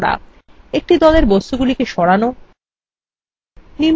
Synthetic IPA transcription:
ɽa̰ | ek̚ʈid̪ɔleɾbost̪uɡulikeʃɔɽano | ni

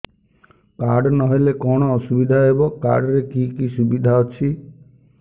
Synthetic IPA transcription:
kaɾɖɔnɔɦelekɔɽ̃ɔːsubid̪ʱaebɔka̰ɖɔɾekikisubid̪ʱaɔt͡ʃʰi

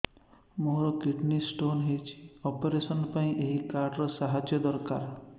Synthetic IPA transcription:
moɾɔkiʈnisʈonɦejt͡ʃʰi̥ɔpeɾesɔnpaĩʔeɦikaɾɖɾɔsaɦad͡ʒjɔd̪ɔɾkaɾ

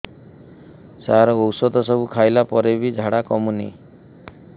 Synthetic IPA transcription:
saɾɔowsɔd̪ɔsɔbukʰajlapɔɾebid͡ʒʱaɽakɔmuni

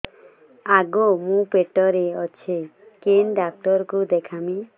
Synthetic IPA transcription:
aɡomũpeʈɔɾeɔt͡ʃʰekenɖak̚ʈɔɾkud̪ekʰami

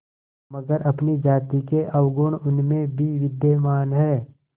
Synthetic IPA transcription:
mɐɡəɾʔɐpnid͡ʒaːt̪ikeʔɐwɡʊɽ̃ʊnmẽbʱiʋɪd̪emaːnɦɛː

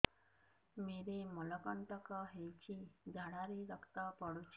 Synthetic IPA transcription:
meɾemɔlɔkənt̪əkɔɦejt͡ɕʰid̪ʱaɽ̃aɾiɾəkt̪apɔɽut͡ʃʰi̥

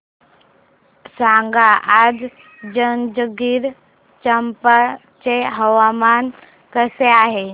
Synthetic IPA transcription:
saŋɡaʔad͡ʑ | d͡ʒənd͡ʒəɡiɾ | t͡ʃəmpa | t͡ʃeɦəʋaman | kəseaːɦe

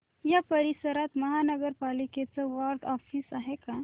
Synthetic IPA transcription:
japəɾisəɾat̪məɦanəɡəɾpaliket͡səʋaɾɖɔfisaɦeka

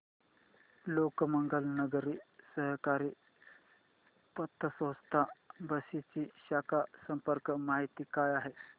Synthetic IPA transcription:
lokməŋɡəlnəɡəɾiːsəɦkaɾiː | pət̪ʰːəsʋəst̪ʰabəsit͡ɕiːɕakʰasəmpəɾkmaɦit̪iːkajaɦe

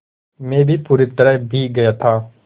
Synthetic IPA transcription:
mẽːbiːpuːɾit̪əɾɛbʱiːɡɐjaːt̪ʰaː

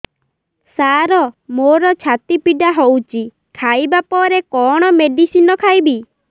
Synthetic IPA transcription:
saɾɔmoɾɔt͡ʃʰat̪ipiɖaɦowt͡ʃʰi | kʰajbapɔɾekɔɽ̃ɔmeɖisinɔkʰajbi

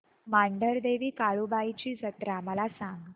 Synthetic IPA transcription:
maɳɖəɾd̪eʋiːkaɭubajit͡ɕiːsət̪ɾaməlasaŋɡ

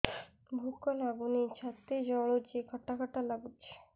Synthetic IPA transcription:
bʱukːonabunit͡ɕʰat̪ːed͡ʑɔɭod͡ʑekʰɔʈːakʰɔʈːalaɡutːɕʰe̥

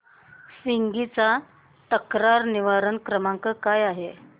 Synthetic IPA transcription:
siŋɡit͡sa | t̪əkɾaɾniʋaɾənkɾəmaŋkəkajaɦe

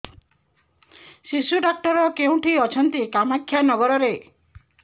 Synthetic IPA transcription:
sisuɖak̚ʈɔɾɔkeũʈʰiɔt͡ʃʰɔnt̪ikamakʰːjanɔɡɔɾɔɾe

